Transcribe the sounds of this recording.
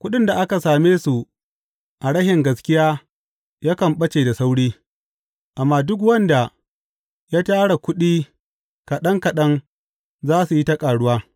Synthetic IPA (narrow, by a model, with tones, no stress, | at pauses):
kʷʊ˦ɗɪ˦nda˨ʔa˦ka˨saː˨meː˦su˨ | ʔa˨ɽɐ˦hɪ˨ŋɡɐ˨skʲɪ˦jaː˦ | jaː˦kɐ˨mɓɐ˦t͡ʃeː˨da˨sa˦wɽiː˦ | ʔa˨mːaː˦dʊ˦k̬wɐ˦nda˨ | jaː˦taː˦ɽa˨kʷʊ˦ɗiː˦ | kɐ˨ɗɐ˦ŋkɐ˨ɗɐ˦ŋ | zaː˦su˨ji˦tɐ˦kʼaː˨ɽʊ˦waː˦